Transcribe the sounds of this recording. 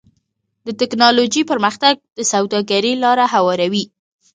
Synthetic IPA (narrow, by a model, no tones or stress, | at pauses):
d̪ət̪ɪknɑlod͡ʒipəɾməxt̪aɡ̚d̪̥əsawd̪ɑɡaɾilɑɾaɦawɑɾawi